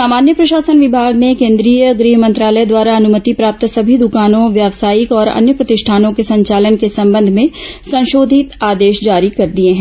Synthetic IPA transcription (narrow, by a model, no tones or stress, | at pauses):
saːmaːnjəpɾɐʃaːsənʋɪbʱaːɡnekẽːnd̪ɾijəɡɾiːɦəmɐ̃nt̪ɾaːləd̪waːɾaɐnʊmət̪ipɾaːp̚t̪sɐbʱid̪ukaːnõʋjaːʋsaːɪkɔːɾɐ̰njəpɾɐt̪ɪʃʈʰaːnõkesɐ̃ɲt͡ʃaːlənkesɐ̃mbə̃nd̪ʱmẽsɐ̃nʃoːd̪ʱɪt̪aːd̪eːʃd͡ʒaːɾikɐɾd̪ieɦɛ̃